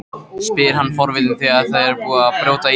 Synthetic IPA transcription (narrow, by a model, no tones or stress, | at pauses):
spɪːɪɾ̥hanːfɔɾvɪt̪ɪnθiaðθaðɛɾpuːapɾjoːwt̪a